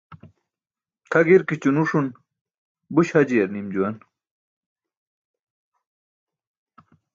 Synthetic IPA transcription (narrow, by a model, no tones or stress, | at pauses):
t̪ʰɐɡiɾkit͡ɕunuʂun | buɕhɐd͡ʑiɐɾnimd͡ʑuwɐn